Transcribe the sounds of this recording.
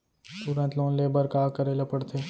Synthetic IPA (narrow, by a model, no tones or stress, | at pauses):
t̪ʊɾə̃nt̪loːnleːbəɾkaːkəɾeːlepəɽt̪ʰeː